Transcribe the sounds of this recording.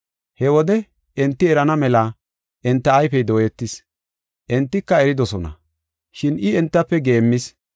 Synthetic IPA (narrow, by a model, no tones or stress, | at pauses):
hɛwɔd̪ɛ | ʔɛnt̪ːɪɛɾɐnɐmɛla | ʔɛnt̪ːɐːjfɛjd̪o̞ːjɛt̪ːɪs | ʔɛnt̪ːɪkːɐɛɾɪd̪ɔsɔnɐ̰ | ʃɪnɪɛnt̪ːɐpːɛɡe̞ːmːɪs